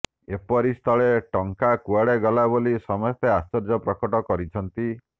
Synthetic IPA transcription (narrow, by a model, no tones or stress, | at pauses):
epɔɾist̪ʰɔɭeʈɔŋkakuaɽeɡɔlabolisɔmɔst̪ʰeast͡ʃɔɾd͡ʒɔpɾɔkɔʈɔkɔɾit͡ʃʰɔnt̪i